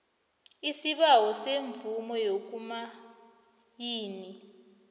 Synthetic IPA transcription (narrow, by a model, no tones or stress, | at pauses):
isiɓawɔseɱvumɔjok̬uma | jiːni